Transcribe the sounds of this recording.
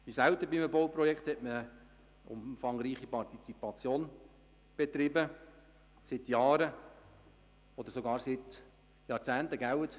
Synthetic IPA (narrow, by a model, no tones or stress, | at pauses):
ʋisæwt̪əbimbɔwprɔjɛkχt̪hɛtmə | ʊ̰mfɑŋɾiːχipɑrtit͡sipɑt͡sjoːn | b̥et̪ɾɪbə | sɪt̪jɑːɾə | ɔd̥̪əɾsoɡɑːɾsɪt̪ | jɑɾt͡sæːnt̪əɡæwət̪